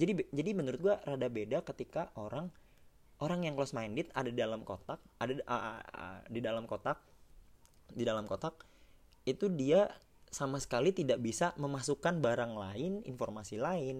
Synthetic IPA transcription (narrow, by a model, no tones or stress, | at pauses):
d͡ʒadid͡ʒadimənuɾʊt̪̚ɡuaɾadabedakət̪ikaʔoɾaŋ | ʔoɾaŋjaŋklɔsmajndɪt̪̚adadidalamkot̪ak̚adaə̰ | didalamkot̪ak̚ | didalamkot̪ak̚ | it̪udia | samasə̥kalit̪idaʔbisaməmasukanbaɾaŋlaɪnḭnformasilaɪn